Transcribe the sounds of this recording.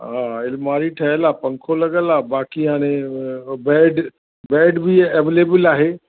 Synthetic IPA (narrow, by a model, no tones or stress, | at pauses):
ɦãːɪlmaːɾiʈʰɐɦəlaːpɐ̃ŋkʰolɐɡəlaːbaːkiɦaːñẽbɛːɖ | bɛːɖbʱieʋeːleːbɪlaːɦeː